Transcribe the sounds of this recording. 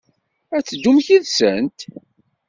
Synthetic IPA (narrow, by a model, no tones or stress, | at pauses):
æt͡sːəd̪ːumçiðsənt̪